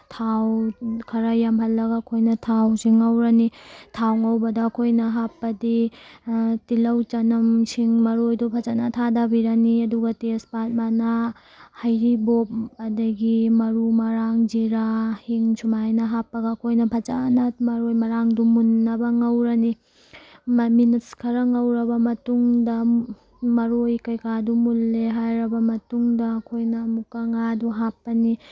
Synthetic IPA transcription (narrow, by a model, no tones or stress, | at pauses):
tʰawkʰɐɾajampɐlːɐɡɐːkʰojnɐtʰawsiŋɐwɾɐnitʰawŋɐwbɐdɐːkʰojnɐɦapːɐdi | tilɐwt͡ʃɐnɐmsʰiŋmɐɾojdupʰɐt͡ʃanɐtʰadabiɾɐniɐduɡɐtespat̚manɐ | hɐjɾibop̚ɐdɐɡimɐɾumɐɾaŋd͡ʒiɾahiŋt͡ʃʰumajnɐɦapːɐɡɐːkʰojnɐpʰat͡ʃanɐmɐɾojmɐɾaŋdumunːɐbɐŋɐwɾɐni | mminitskʰɐɾɐŋɐwɾɐbɐmɐtuŋdɐ | mɐɾojkɐjkʰadumulːeɦajɾɐbɐmɐtuŋdɐːkʰojnɐmukɐŋaduɦapːɐni